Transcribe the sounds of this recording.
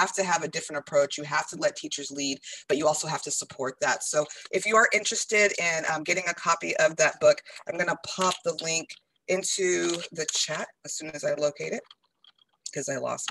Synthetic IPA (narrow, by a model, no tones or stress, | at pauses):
æftɨəvɨdɪfɹɨ̃ntəpʰɹ̥oʊt͡ʃjɨɦæftəlɛtʰit͡ʃə˞zlid̚b̥ʌt͡ʃɨɔlˠsoʊɦæftɨsəpʰɔɹt̪̚ðætsoʊʔɨfjɨə˞ʔɪ̃nt͡ʃɹ̥ɨstɪɾɪ̃nʌ̃mɡɛɾɪ̃ŋɨkʰɑpiʔʌvðɨt̚b̥ʊkãɪ̃mɡʌnəpʰɑp̚ðəlɪ̃ŋk | ʔɪ̃ntʰʉðɨt͡ʃʰæt̚ɨz̥sʉ̃nɨzaɪloʊkʰeɪɾɨt̚ | kʰʌzaɪlɔ̰s